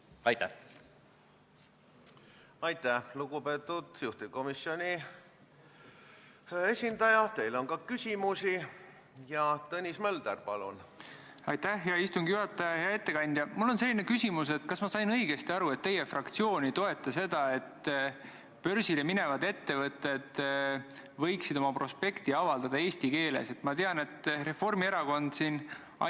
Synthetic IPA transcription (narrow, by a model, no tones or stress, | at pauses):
ɑjt̪ːæh | ɑjt̪æhluɡ̥upeːt̪ːˑud̪̥juht̪iko̞misjo̞nʲi | e̞sʲind̪ɑjɑt̪e̞jloŋkɑkysʲimusi | jɑt̪ɤnʲismeld̪̥ærpɑlṵn | ɑjt̪ːæhjɑist̪uŋɡ̥ijuɦɑt̪ːˑɑjɑeɑe̞t̪ːe̞kɑnʲd̪̥jɑmulːo̞nse̞lːine̞kysʲimuse̞t̪kɑsmɑsɑjnɤiɡ̥e̞st̪iɑɾue̞t̪ːe̞je̞frɑkt̪sio̞ːnʲit̪o̞e̞t̪ːˑɑse̞d̪̥ɑe̞t̪ː | pø̞rsilemine̞vɑd̪e̞t̪ːe̞vɤt̪ːˑe̞d̪̥ | vɤ̞jksid̪̥o̞mɑpro̞spe̞kt̪iɑvɑld̪ɑd̪̥ɑeːst̪ike̞ːle̞̰se̞t̪mɑt̪e̞ɑne̞t̪ːˑre̞fo̞rmieɾɑko̞nd̪̥sin | ɑ̰